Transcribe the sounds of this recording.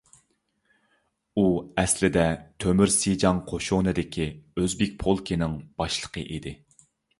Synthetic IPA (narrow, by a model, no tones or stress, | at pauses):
uɛslɪd̪ɛt̪ʰømyɾsid͡ʒɑŋqʰoʃonɨd̪ɪkʲʰiøzbɪk̚ʲpʰolˠkʲinɪŋb̥ɑʃlˠə̥qʰəʔid̪ɪ